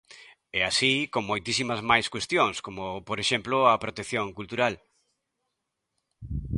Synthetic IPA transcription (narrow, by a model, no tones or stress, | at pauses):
ɛasikoŋmojt̪isimɐzmajskwest̪joŋskomopoɾeʃemploɐpɾot̪ekθjõŋkult̪uɾal